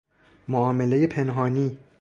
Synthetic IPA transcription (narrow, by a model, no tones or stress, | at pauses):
moɒːme̞le̞je̞pʰe̞nɦɒːniː